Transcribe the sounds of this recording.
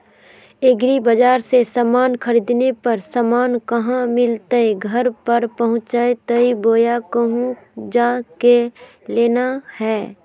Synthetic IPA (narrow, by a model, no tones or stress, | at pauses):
eɡɾibəd͡ʒaːɾsesaːmaːnkʰəɾiːd̪nepɐɾsaːmaːnkɐɦãmɪlt̪əeɡʱɐɾpɐɾpəɦʊ̃t͡ʃaet̪əiboːjakəɦũ | d͡ʒaːke | leːnahɛː